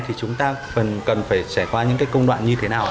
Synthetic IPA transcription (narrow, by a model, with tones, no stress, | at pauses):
t̪ʰi˨˩t͡ɕʊ˨˦ŋ͡mt̪aː˧fə˨˩nkə˨˩nfaː˧˩jsa˧˩jkwaː˧ɲɨ̰˧˥ŋkaː˨˦jkə˧wŋ͡mɗwa̰ː˧˨nɲɨ˧t̪ʰe˨˦naː˨˩w